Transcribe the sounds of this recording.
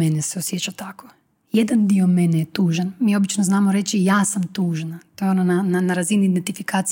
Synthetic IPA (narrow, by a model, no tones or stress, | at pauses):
eneseosjet͡ʃat̪ako | jed̪and̪iomenejet̪uːʒanmiːo̞bit͡ʃnoznaːmoɾe̞t͡ʃijaːsamt̪uːʒnat̪ojeonanananaɾaziniːd̪ent̪ifikaːt̪s